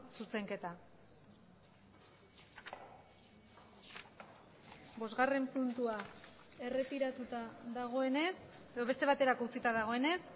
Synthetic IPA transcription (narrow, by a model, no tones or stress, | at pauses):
suse̞ŋke̞t̪a | bo̞zɣare̞mpunt̪ua | e̞re̞t̪iɾat̪ut̪aðaɣ̞o̞e̞neseðo̞βe̞st̪eβ̞at̪e̞ɾakout͡sit̪aðaɣ̞o̞e̞ne̞s